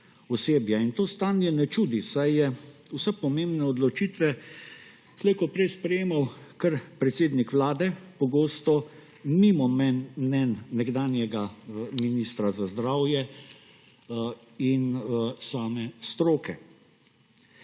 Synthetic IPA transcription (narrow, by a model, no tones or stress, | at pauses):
ɔseːbjaint̪oːst̪aːnjɛnɛt͡ʃuːd̪isajjɛwsɛpɔmembnɛɔd̪lɔt͡ʃiːt̪ʋɛ | slekɔpɾɛjspɾɛjeːmawkəɾpɾɛt̪seːd̪nikʋlaːd̪ɛpɔɡoːst̪ɔ | mimɔmɛnnɛnːɛɡd̪aːnjɛɡaminist̪ɾazazd̪ɾawjɛ | insaːmɛst̪ɾoːkɛ